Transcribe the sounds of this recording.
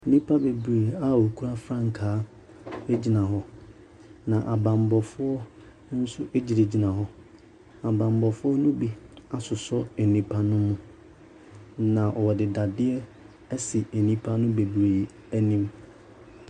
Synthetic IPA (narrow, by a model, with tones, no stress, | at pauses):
nĩ˦pʰa˦be˨bɾeː˨a˦o˨kʰu˦ɾa˦fɾã˦ŋ̩˨kʰaː˨˦ | e˦d͡ʑi˨nã˨ɦɔ˦ | nã˨ʔa˨bã˨mbɔ˨fʊ˦ɔ˦ | n̩˦sʊ˦ʔe˦d͡ʑi˨de˨d͡ʑi˨nã˨ɦɔ˦ | a˨bã˨mbɔ˨fʊ˦ɔ˦nʊ̃˦bi˦a˨sʊ˨sɔ˦ɛ˨nĩ˨pʰa˦nʊ̃˦mːũ˦ | nã˨ʔɔ˨wɔ˨dɪ˨da˨dɪ˦ɛ˦ | sɪ˨e˨nĩ˦pʰa˦nʊ̃˦be˨bɾeː˨ | æ˦nĩ˦m